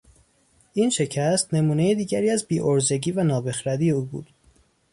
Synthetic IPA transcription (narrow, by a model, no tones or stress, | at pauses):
ʔiːnʃe̞cʰæst̪ne̞muːnejed̪iːɟæɾiːæzbiːʔoɾze̞ɟiːvænɒːbe̞xɾæd̪iːeuːbṵːd̪̥